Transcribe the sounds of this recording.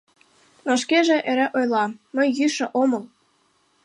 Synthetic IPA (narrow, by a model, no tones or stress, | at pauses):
noʃ̬keʒĕʔeɾĕʔojlɑːə̆jːyʃə̆ʔomɤl